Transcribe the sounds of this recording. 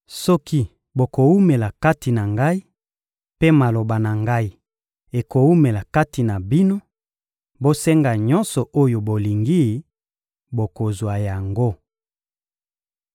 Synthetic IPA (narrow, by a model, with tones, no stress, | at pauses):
sɔ˦ki˦ | bo˨ko˨wu˦me˨la˨ka˦ti˨na˨ŋɡa˦i˦ | pe˦ma˨lo˨ba˨na˨ŋɡa˦i˦ | e˨ko˨wu˦me˨la˨ka˦ti˨na˨bi˦no˦ | bo˦sɛ˦ŋɡa˨ɲɔ˦nsɔ˨ʔo˦jo˨bo˨li˨ŋɡi˦ | bo˨ko˨zwa˨ja˨ŋɡo˦